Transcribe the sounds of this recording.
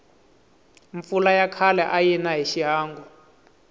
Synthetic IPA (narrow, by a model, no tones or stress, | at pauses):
ɱfulajakʰalɛʔajinaɦeʃiɦaːŋɡɔ